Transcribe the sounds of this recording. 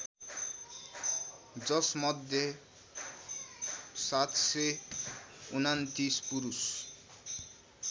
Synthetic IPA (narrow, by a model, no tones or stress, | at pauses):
d͡zʌsmʌd̪ʱjʌ | sat̪se | unant̪ispuɾus